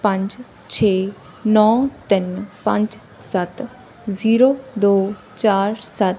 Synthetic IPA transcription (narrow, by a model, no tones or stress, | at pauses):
pə̃ɲd͡ʒ | t͡ʃʰeː | nɔ̃ːt̪ɪnpə̃ɲd͡ʒ | sət̪ | ziːɾoːd̪oː | t͡ʃaːɾsət̪